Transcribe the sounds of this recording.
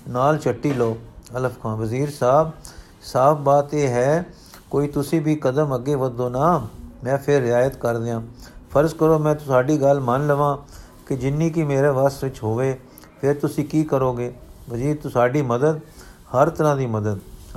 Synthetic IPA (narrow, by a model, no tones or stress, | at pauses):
naːlt͡ʃəʈːiːlɔːələpʰkʰãːʋəziːɾsaːb | saːpʰbaːt̪eːɦɛː | koːiːt̪ʊsĩːbiːkəd̪əməɡeːʋəd̪õːnaːmɛ̃ːpʰɪɾːɪaːjət̪kəɾd̪eãːpʰəɾzkəɾoːmɛ̃ːt̪ʊsaːɖiːɡəlmənləʋãː | kɪd͡ʒɪnːiːkimeːɾeːʋəsʋɪt͡ʃɦoːʋeː | pʰɪɾt̪ʊsĩːkiːkəɾoːɡeːʋəziːɾt̪ʊsaːɖiːməd̪əd̪̚ | həɾt̪əɾãːd̪iːməd̪əd̪